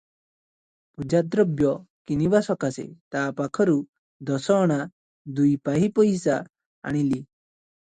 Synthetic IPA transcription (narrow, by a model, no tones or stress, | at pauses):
pud͡ʒad̪ɾɔbjɔ | kinibasɔkasḛt̪apakʰɔɾu | d̪ɔsɔɽ̃a | d̪ujpaɦipɔjsa | a̰ɽ̃ili